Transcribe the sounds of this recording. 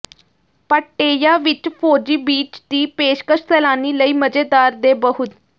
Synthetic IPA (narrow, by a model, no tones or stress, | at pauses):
pəʈːeːjaːʋɪt͡ʃpʰoːd͡ʒiːbiːt͡ʃd̪iːpeːʃkəʃsɛːlaːniːləiːməd͡ʒeːd̪aːɾd̪eːbəɦʊt̪